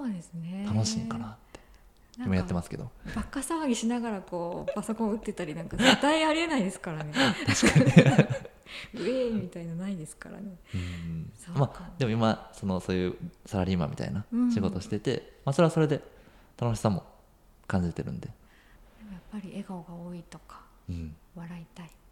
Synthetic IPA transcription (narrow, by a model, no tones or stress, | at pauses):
sod̪esɨnet̪ʰano̞ɕĩːŋkanat̪ːe̞ | imojat̪ːemasɨ̥ke̞d̪o̞̰bakːasaβaɡʲiɕinaɡaɾako̞ːpaso̞kõ̞ɯt̪ːe̞t̪aɾʲinãŋkaet̪ːaiaɾʲie̞naid̪e̞sɨ̥kaɾanet̪ɕkaɲ | ɯ̟eimʲit̪ainanaid̪e̞sɨ̥ka̰ɾa̰ne̞ɯ̃ːsomad̪e̞mo̞imaso̞no̞so̞ːjɯsaɾaɾʲima̰mʲḭt̪a̰inaɕiɡo̞t̪o̞ɕi̥t̪et̪e̞̰maːso̞ɾe̞aso̞ɾe̞d̪e̞ | t̪ano̞ɕi̥samo̞̰ | kãɲ̟d͡ʑiɾet̪e̞ɾɯ̟̰̃nd̪e̞ | d̪emojapːaɾʲiʔeɡaoɡaoːit̪o̞kḁ | ɯ̃βaɾait̪ai